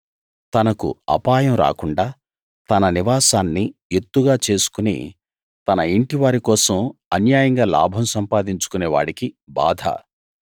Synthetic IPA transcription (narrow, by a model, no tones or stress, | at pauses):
t̪ɐnɐkṵɐ̰paːjɐmɾa̰ːkuɳɖaː | t̪ɐnɐniʋaːsaːnːijet̪ːuɡaːt͡ʃe̞ːsu̥kunḭ | t̪ɐnɐiɳʈiʋaːɾikɔːsɐmɐnjaːjɐŋɡaːla̰ːbʱɐmsɐmpaːd̪iɲt͡ʃu̥kuneːʋa̰ːɽikiba̰ːd̪ʱa̰ː